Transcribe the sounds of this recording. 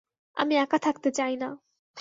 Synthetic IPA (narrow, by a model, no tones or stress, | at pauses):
ɐ̰miakat̪ʰak̚t̪ɯd͡ʒajna